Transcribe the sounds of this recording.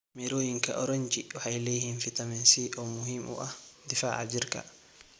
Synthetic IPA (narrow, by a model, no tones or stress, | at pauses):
miɾoːjiŋka̰ʔɔɾɔɲt͡ʃiwaħajlehinfɪt̪amɛnsiʔɔmʊɦimʔɔ̰ʔad̪ɪfaːʕa̰d͡ʒɪɾka̰